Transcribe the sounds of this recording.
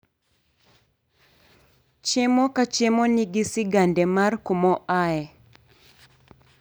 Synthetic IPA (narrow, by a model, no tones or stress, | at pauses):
t͡ʃemɔkat͡ʃemɔniɡɪsɪɡandɛmarkomɔaɛ